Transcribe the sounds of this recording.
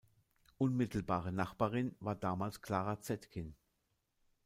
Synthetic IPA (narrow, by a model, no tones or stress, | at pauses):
ʔʊnmɪtʰl̩baːʁənaχb̥aːʁɪnvaːɐdaːmaːlskl̥aːʁat͡sɛtkʰɪn